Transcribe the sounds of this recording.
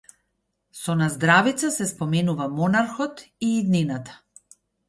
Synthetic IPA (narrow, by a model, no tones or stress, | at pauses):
sɔnazd̪ɾavit̪sasɛspɔmɛnuvamɔnaɾxɔt̪iːd̪ninat̪ḁ